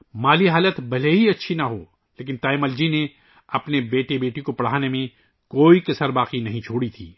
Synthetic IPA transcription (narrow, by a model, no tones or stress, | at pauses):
maːliɦaːlət̪bɐleɦiɐtːʃʰinaɦoː | leːkɪnt̪aːɪməld͡ʒine | ɐpnebeːʈebeːʈikopɐɽ̤aːnemẽ | koːikɐsəɾbaːqinɐɦĩt͡ʃʰoːɽit̪ʰḭː